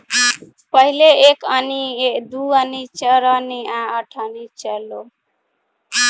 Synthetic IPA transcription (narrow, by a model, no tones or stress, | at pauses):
pəɦileekənied̪uənit͡ʃəɾəniãəʈʰənit͡ʃəlo